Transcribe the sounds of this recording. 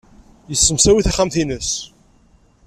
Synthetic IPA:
jəsːəmsæwiθæχæmθinəs

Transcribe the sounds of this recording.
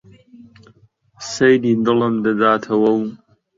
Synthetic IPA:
sejdindɨlɐmdadaːtʰɐwɐw

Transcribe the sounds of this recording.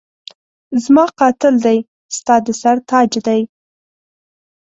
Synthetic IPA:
zmɑqɑt̪ɪld̪aj | st̪ɑd̪əsaɾt̪ɑd͡ʒd̪aj

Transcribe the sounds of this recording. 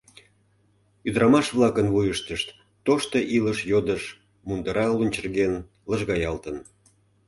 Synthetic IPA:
yd̪əɾɑmɑʃβlˠɑkənvujəʃt̪əʃt̪ː | oʃt̪oʔiləʃjod̪əʃ | mund̪əɾɑlunʲt͡ɕərɣen | ləʒɣɑjɑlt̪ən

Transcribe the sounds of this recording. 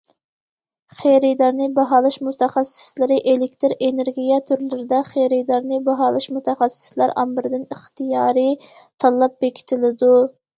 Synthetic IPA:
χejɾɪd̪ɑɾnɨbɑɦɑːlˠɨʃmut̪ʰæχæsɪ̥slɪɾɪʔelɪkʲt̪ɪɾeneɾɡʲijɛt̪ʰyɾlɪɾɪd̪ɛχejɾɪjd̪ɑɾnɨbɑɦɑːlˠɨʃmut̪ʰæχæsːɪ̥slæɾɑ̰mbɪɾɪd̪ɪnɪχt̪ijɑːɾɨ | t̪ʰɑlˠːɑp̚bekʲʰi̥t̪ʰɪlɪd̪u

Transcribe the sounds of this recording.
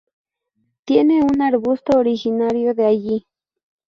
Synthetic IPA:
t̪jeneunaɾbʊst̪ooɾixɪnaɾjod̪eaʎi

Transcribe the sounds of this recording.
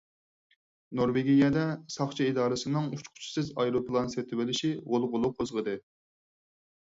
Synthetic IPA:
noɾveɡʲijɛd̪ɛsɑχt͡ʃʰɛid̪ɑːɾɨsɨnɨŋut͡ʃʰqʰʊ̥t͡ʃʰi̥sɪzɑjɾopʰlˠɑnset̪ʰɪwɪlɪʃiʁolˠʁʊlˠʊqʰozʁəd̪ɨ

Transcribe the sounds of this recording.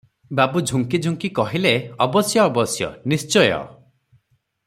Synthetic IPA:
babud͡ʒʱuŋkid͡ʒʱuŋkikɔɦileɔbɔsjɔːbɔsjɔ̰nist͡ʃɔjɔ̰

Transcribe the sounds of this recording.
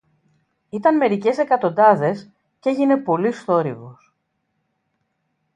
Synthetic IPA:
it̪ɐnme̞ɾice̞se̞kɐt̪o̞nd̪ɐðe̞s | ceʝine̞po̞list̪o̞ɾivos

